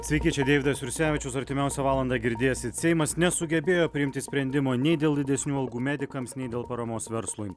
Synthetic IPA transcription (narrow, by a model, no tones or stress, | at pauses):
sʲʋʲɛɪkʲiɛt͡ʃʲɛd̪ʲeːʋʲɪd̪ɐsʋʲɪɾʲsʲæːʋʲɪt͡ʃʲʊsɐɾʲt̪ʲɪmʲɛˑʊsʲɛʋɑːlˠɐnd̪ɑɡʲɪɾʲd̪ʲeːjsʲɪt̪sʲɛɪmɐsnʲɛsʊɡʲɛbʲeːjoːpʲɾʲɪɪmʲt̪ʲɪsʲpʲɾʲɛnʲd̪ʲɪmoːnʲɛɪd̪ʲeːlˠd̪ʲɪd̪ʲɛsʲnʲuːɐlˠɡuːmʲæːd̪ʲɪkɐmsnʲɛɪd̪ʲeːlˠpɐɾɐmoːsʋʲɛɾslˠʊj